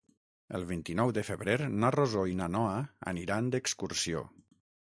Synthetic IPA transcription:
ə̰lˠβ̞int̪inɔwd̪əfəβɾeɾnarozoinanɔaə̰niɾand̪əkskuɾsio̰

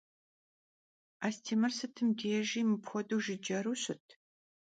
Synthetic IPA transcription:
aːstʰiːmɐrsɨtʰɨmdeːʒiːmɨpxʷɔduːʒɪd͡ʒɐɾuɕɪtʰ

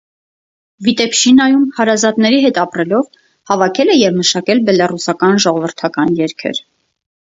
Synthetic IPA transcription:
vit̪ɛpʰʃinɑjumhɑɾɑzɑt̪nɛɾiɦɛt̪ɑpɾɛlɔv | hɑvɑkʰɛlɛjɛvməʃɑkɛlbɛlɑrusɑkɑnʒɔʁɔvəɾt̪ʰɑkɑnjɛɾkʰɛ̰ɾ

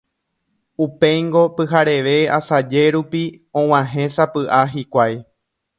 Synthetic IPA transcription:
upe̞jŋɡo̞pɨɦaɾe̞ʋe̞asad͡ʒe̞ɾupi | õw̃ãɦẽ̞sapɨʔaɦikʷaj

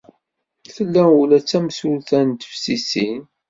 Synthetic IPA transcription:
θəlːæulæt͡sːæmsulθænt̪ə̥fsisin

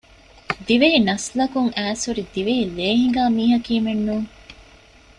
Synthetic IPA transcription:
d̪iʋeɦinɐslɐkuŋæːsuɾid̪iʋeɦileːɦiŋ̆ɡaːmiːɦɐkiːmenːuːŋ

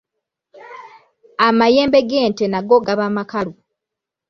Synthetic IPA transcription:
amajeːmbe̞ɡeːntenaɡoɡaβamakalu

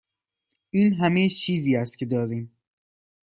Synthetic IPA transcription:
ʔiːnɦæmejt͡ʃʰiːziːæst̪̚cʰe̞d̪ɒːɾiːm

